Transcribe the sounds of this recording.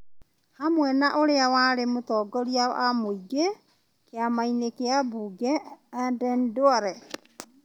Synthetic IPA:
hamwɛnaʔoɾeawaɾemotɔːɡɔɾia̰ʔamoiɡe | keamainekeabuːɡɛadɛndoaɾɛ

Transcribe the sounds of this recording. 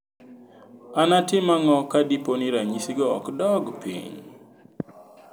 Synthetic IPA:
anatɪmaŋɔkadiponiɾaɲisiɡɔɔ̰kdɔɡpḭɲ

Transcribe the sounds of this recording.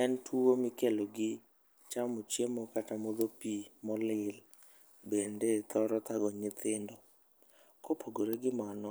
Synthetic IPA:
ɛntʰuomɪkeloɡɪ | t͡ʃamot͡ʃjemokatamod̪opimɔlɪl | bendet̪ɔɾɔt̪aɡɔɲɪt̪ɪndɔ | kopʰoɡoɾeɡɪmanɔ

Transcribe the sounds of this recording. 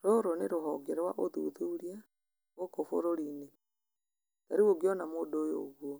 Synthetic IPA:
ɾoɾoneɾoɦɔɡɛɾwa̰ʔoðṵðuɾia | ɣokofo̰ɾoɾine | taɾiwoɡiɔnamodojo̰ɣwɔ

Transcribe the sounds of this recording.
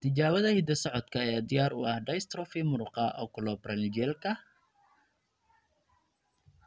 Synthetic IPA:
t̪ʰɪt͡ʃaːwɐðɐhɪd̪ɐsɔʕɔd̪kʰɐɛjaːd̪ɪjaːɾʊ̰ɐhɖɐjst̪ɾɔfimʊɾʊqɑʔɔ̰ːkʰʊlɔːbrɐld͡ʒɛːlkʰɐ

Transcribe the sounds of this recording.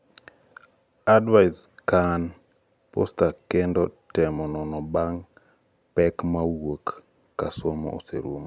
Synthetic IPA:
adwaɪskan | postakɛndɔtɛmɔnɔnɔbaŋ | pɛkmawokː | asomɔ̰o̰sḛɾomo

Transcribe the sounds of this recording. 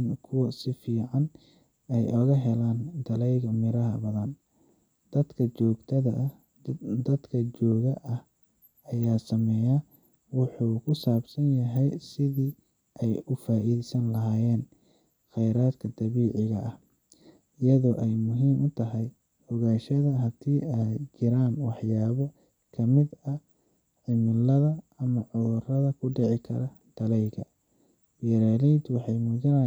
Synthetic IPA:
nkʰʊwɐsɪfiːʕɑn | ɛjʔɔɣɐɦɛlaːnd̪ɐlɛjɣɐmɪɾɐɦɐbɐðɐn | d̪̥ɐd̪kʰɐt͡ʃɔːɡt̪ʰɐðɐ | d̪ɐd̪kʰɐt͡ʃɔːɣɐʔɐh | ɐjaːsɐmɛːja | wʊħuːkʰʊsaːbsɐnjɐɦɛjsɪðiː | ʔɛjʊfaːʔiːðɛsɐnlɐɦaːjɛːn | xɛjɾaːd̪kʰɐd̪ɐβiːʕɪɣɐʔɐh | ɪjɐðɔːʔɛjmʊɦiːmʔʊt̪ʰɐɦɛj | hɔɣaːʃɐðɐɦɐt̪ʰiːɛt͡ʃɪɾaːmwɑħjaːβɔ | kʰɐmɪd̪ɐ | ʕɪmɪlɐðɐ | ɐmɐʕɔðʊrɐðɐkʰʊɖɛʕɪkʰɐ̰ɾɐ | d̪̥ɐlɛjɣɐ | wɛɾaːlɛjd̪wɑħɑjmuːða

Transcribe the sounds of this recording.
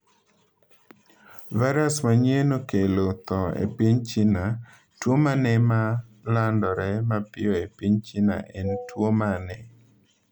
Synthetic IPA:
vaɾasmaɲenokelot̪ɔḛpiɲt͡ʃina | twomanɛmalandɔɾɛmapɪjɔepiɲt͡ʃina̰ʔɛntwomanɛ

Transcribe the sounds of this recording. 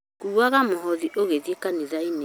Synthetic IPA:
kuɾwaɣamoɦɔðiʔoɣeðiekaniðaine

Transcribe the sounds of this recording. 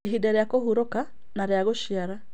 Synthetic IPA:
ɦidaɾjakohuɾoka | naɾjaɣoʃiaɾa

